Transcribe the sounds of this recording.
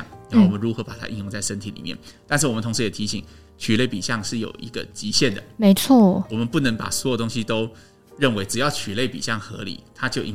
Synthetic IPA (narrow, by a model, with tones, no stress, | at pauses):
o˥˩wɔ˨mə˦nɻu˧˥xɤ˧˥pa˨˩t̪ʰa̰˥ʔi˥˧ŋjʊ˥˧ŋt͡sa˥˩ɪʂə˥nt̪ʰi˨˥˩lḭ˨˩mjɛ̰˥˩nt̪a˥˧nʂ̬ɻ̩˥˩wɔ˨˩ə˦nt̪ʰʊ˧˥ŋʂɻ̩˧˥jɛ˨˩t̪ʰi˧˥ɕḭ˨˩ŋ | t͡ɕʰy˨˩le˥˩ɪpḭ˨˩ɕjɑ˥˧ŋʂɻ̩˥˩jo̰˨˩ʊʔḭ˧˥ɡə̰˧t͡ɕi˧˥ɕjɛ˥˩nd̪ə̰˩me˧˥ɪt͡sʰwɔ˥˩wɔ˨˩mə˦npu˥˩nə˧˥ŋpa̰˨˩swjo˨˩t̪ʊ˥ŋɕi˧t̪o˥ʊ | ɻə˥˩nwe˧˥ɪʈ͡ʂɻ̩˨˩jɑ˥˩ʊt͡ɕʰy˨˩le˥˩ɪpḭ˨˩ɕjɑ˥˩ŋxɤ̰˧˥lḭ˨˩˦t̪ʰa˥t͡ɕjo˥˧ʊʔḭ˧˥